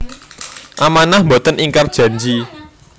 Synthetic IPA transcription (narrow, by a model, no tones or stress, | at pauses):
ʔamanahmbot̪əniŋkard̥ʒ̥ä̤ɲd͡ʒi